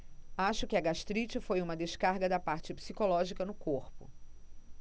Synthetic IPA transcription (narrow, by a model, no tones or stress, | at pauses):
aʃʊkɪɐɡaʃt̪ɾit͡ʃɪfojũmɐd̪eʃkaɾɡɐd̪ɐpaɾt͡ʃɪpsikolɔʒikɐnʊkoɾpʊ̰